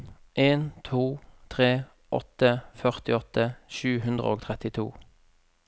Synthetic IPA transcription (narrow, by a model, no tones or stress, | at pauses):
ʔeːnt̪ʰuːt̪ʰʁeː | ʔɔ̰t̪əfœʁt̪ɪɔt̪ʰəʃʉːɦʉnd̪ʁə̰oːɡt̪ʰʁɛt̪ɪt̪ʰṵː